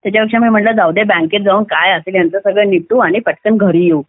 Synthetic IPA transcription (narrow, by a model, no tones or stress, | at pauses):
jat͡ɕjapəkʂamiːm̤əʈlad͡zaʋd̪ebãŋket̪̚d͡zaʋənkajəseljant͡səsəɡɭəniʈuaɽ̃ipəʈkənɡʱəɾijeuː